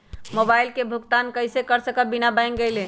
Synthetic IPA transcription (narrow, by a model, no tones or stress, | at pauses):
mobaɪlkebʱukt̪ankəjsekəɾsəkəbinabãjŋɡəjlẽ